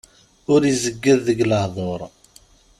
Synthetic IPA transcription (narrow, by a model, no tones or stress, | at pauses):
ʊɾizəɡːəðːəɡləhðˤoɾˤ